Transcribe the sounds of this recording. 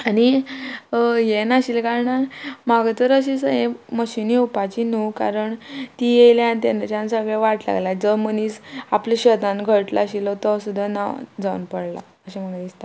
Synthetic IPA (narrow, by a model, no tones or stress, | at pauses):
ani | jenaɕilkaɾɳamaɡt̪əɾəɕ̬isəɦẽməɕiniupat͡ɕinukaɾəɳt̪ijejljant̪ent͡ɕjãnsəɡɭeʋaʈla̰ɡlad͡zəməniːsapliɕəd̪ãnɡʱəʈla̰ɕilɔt̪ɔsud̪ʱːana̰d͡zaunpəɽla̰ | əɕim̤ənaist̪a